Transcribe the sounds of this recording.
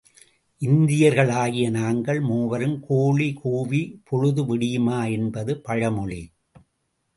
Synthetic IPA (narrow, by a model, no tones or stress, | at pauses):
ʔɪnd̪ɪjɐɾɣɐɭaːɣɪjɐnaːŋɡɐɭmuːʋɐɾɯmkʰoːɭikʰoːʋipʰɔɻɯðɯʋɪɽɪjɯmaːɛnbɐðɯpɐɻɐmɔɭi